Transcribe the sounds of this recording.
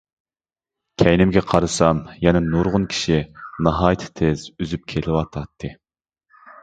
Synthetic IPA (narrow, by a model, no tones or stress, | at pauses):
kʲʰɛjnɪmɡʲɛqʰɑɾɨsɑmjɛnɛnuɾʁʊnkʲʰi̥ʃinɑɦɑːjt̪ʰɨ̥t̪ʰez̥yzyp̚kʲʰelɪwɑt̪ʰɑt̪ʰːɨ